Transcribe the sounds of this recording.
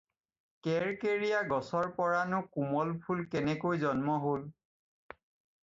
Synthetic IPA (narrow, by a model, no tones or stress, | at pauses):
kɛɹkeɹijaɡɔsɔɹpɔɹanʊkumɔlpʰulkɛnɛkojzɔnmɔɦol